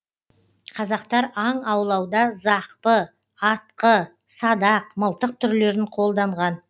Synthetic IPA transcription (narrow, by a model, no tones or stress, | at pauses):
qʰɑzɑqt̪ɑɾɑɴɑwlˠɑwd̪ɑzɑqpə | ɑt̪̚qə | sɑd̪ɑq̚məlˠt̪əq̚t̪ʰʏɾle̞ɾɪɴqʰo̞lˠd̪ɑɴʁɑn